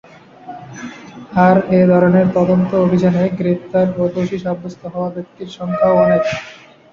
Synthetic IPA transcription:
aɾed̪ʱɔɾoneɾt̪ɔd̪ont̪oobʱid͡ʑanoeɡɾep̚t̪aɾpot̪oʃiʃabːost̪ʰoɦɔoabek̚t̪iɾʃɔŋkʰaonet̪

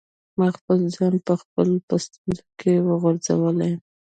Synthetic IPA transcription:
mɑxpəlzɑnpəxpəlopəst̪unzokʰewəɣoɾza̰wəlajm

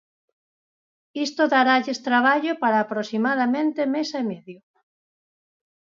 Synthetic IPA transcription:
ist̪oðaɾaʎest̪ɾaβ̞aʎopaɾaːpɾosimaðamẽnt̪emesemeðjo

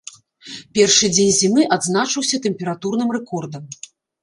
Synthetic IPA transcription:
pʲɛrʂɨd͡zʲenʲzʲimɨʔad̪znat͡ʂɨwsʲɐt̪ɛmʲpʲɛɾat̪urn̪ɨmrɛkɔrd̪ɐm

